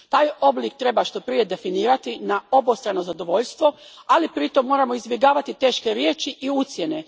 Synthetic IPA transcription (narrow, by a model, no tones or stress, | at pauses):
t̪aːjo̞blik̚t̪ɾe̞baʃt̪o̞pɾije̞d̪e̞finiːɾat̪inao̞bost̪ɾano̞zad̪o̞ʋo̞ʎst̪ʋo̞alipɾit̪o̞mːo̞ːɾamo̞izbje̞ɡaːʋat̪it̪e̞ːʃke̞ɾje̞ːt͡ʃiʔiut̪sje̞ne̞